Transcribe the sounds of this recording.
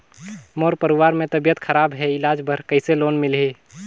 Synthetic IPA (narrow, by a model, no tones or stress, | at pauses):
moːɾpəɾuʋaːɾmẽt̪əbijət̪kʰəɾaːbɦɛɪlaːd͡ʒbʱəɾkəɪseloːnmɪlɦe